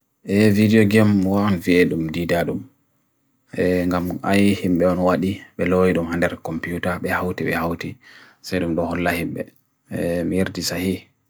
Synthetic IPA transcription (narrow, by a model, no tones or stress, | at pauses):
ʔɛvidiɔɡɛmwaɔnviɛɗumdidaɗum | ɛŋɡamʔa̰jhimɓɛɔnwaɗiɓɛlojiɗumhandɛɾkɔmpiutaɓɛhawtiɓɛhawti | sajɗumɗɔhɔlːahimɓɛ̰ | mijeɾdisahi